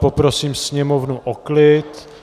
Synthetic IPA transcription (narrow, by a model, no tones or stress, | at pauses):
popɾo̞siːmsɲɛmo̞vnuʔoklɪt̪